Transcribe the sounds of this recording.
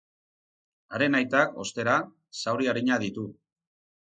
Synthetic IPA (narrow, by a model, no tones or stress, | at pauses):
aɾe̞najt̪ako̞st̪e̞ɾa | sawɾiaɾiɲaðit̪u